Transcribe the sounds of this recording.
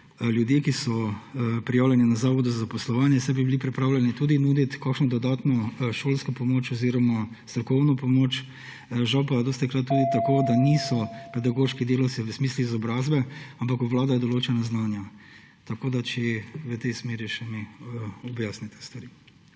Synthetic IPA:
ljud̪jekisɔpɾijaːwlʲjɛninazaːʋɔd̪uzazapɔslɔʋaːnjɛsajbibilipɾɛpɾaːwlʲɛnit̪uːd̪inuːd̪it̪kaːkʃnɔd̪ɔd̪aːt̪nɔʃoːlskɔpɔmoːt͡ʃɔziːɾɔma | st̪ɾɔkɔwnɔpɔmoːt͡ʃ | ʒawpad̪ost̪ɛklat̪uːd̪it̪akoːd̪anisɔpɛd̪aɡoːʃkid̪eːlɔwt̪siʋəsmiːsluizɔbɾaːzbɛampakuʋlaːd̪ajɛd̪ɔloːt͡ʃɛnaznaːnja | t̪ɐkoːd̪at͡ʃɛʋət̪ɛjsmeːɾiʃɛmiɔbjasnit̪ɛ̥st̪ʋaɾi

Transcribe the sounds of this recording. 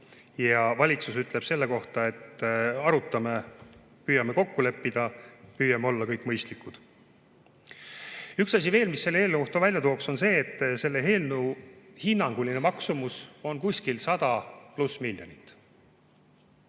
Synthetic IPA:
jɑvɑlʲit̪susyt̪ˑle̞b̥se̞lːe̞ko̞ht̪ɑe̞t̪ːɑɾut̪ːˑɑme̞ | pyːjɑmeko̞kːule̞pːid̪̥ɑpyːjɑmeo̞lːɑkɤjkːˑmɤjst̪likːˑud̪̥ | yksɑs̬ʲive̞ːlmisːe̞lːehelnuoht̪ovælʲjɑt̪oːkso̞nse̞ːt̪ːˑse̞lːe̞ɦe̞ːlnuhinːɑŋɡ̥ulinemɑksumuso̞nkusʲkilsɑd̪̥ɑplusmilʲjonit̪ːˑ

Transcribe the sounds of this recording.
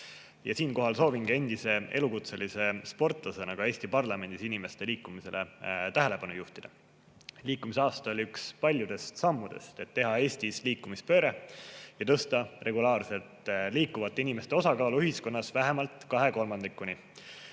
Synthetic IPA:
jɑsiːnko̞ɦɑlso̞ːviŋɡ̥e̞nd̪̥ise̞ʔe̞lukut̪se̞lise̞spo̞rt̪ˑlɑse̞nɑɡ̥ɑe̞ːsʲt̪ipɑrlɑme̞nd̪̥isinime̞st̪e̞liːkːˑumise̞let̪æɦele̞pɑnujuht̪id̪̥ɑ | liːkːˑumiseɑːst̪ɑo̞lʲiykspɑlʲjud̪̥e̞st̪sɑmːud̪̥e̞̰st̪e̞t̪ːe̞ɦɑe̞ːsʲt̪isliːkːˑumispø̞ːɾejɑt̪ɤ̞st̪ɑre̞ɡulɑːrse̞lt̪liːkːuvɑt̪ːeinime̞st̪e̞o̞sɑkɑːluyɦisko̞nːɑsvæɦe̞mɑlt̪ˑkɑɦe̞ko̞lmɑnd̪ikːˑuni

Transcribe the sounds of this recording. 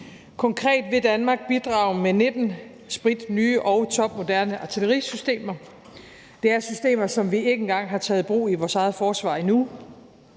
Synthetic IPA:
kʰɒ̽ŋkʰʁɛ̰ːd̥ʋe̝d̥ænmɑ̈ːɡ̥̚b̥id̥ʁɑ̈ʊmened̥n̩ | sb̥ʁid̥nyːʔɒ̽ʊt͡sʰɒ̽b̥mo̝d̥æɐnəʔɑ̈t͡sʰiləʁḭsysd̥e̝̰ːmɐ | d̥e̝æɐsysd̥e̝̰ːmɐsɒ̽mʋie̝ɡ̥əen̩ɡ̥ɑ̈ŋ̰ɦɑ̈t͡sʰɛ̰ːð̞̩ˠb̥ʁo̝̰ːiʋɒːsɑ̈ɪð̩ˠfɒːsʋɑ̰̈ːinu

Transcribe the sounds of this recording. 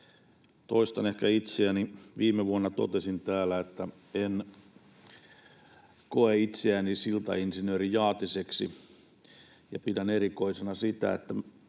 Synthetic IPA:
t̪oist̪ɑnehkæit̪seæniʋiːmeʋuonːɑt̪o̰t̪esint̪æːlæet̪ːæ | en | koeit̪seænisilt̪ɑ̰insinøːɾijɑːt̪iseksḭ | jɑ̰pidæneɾikoisenɑsit̪æ̰ḛt̪ːæ

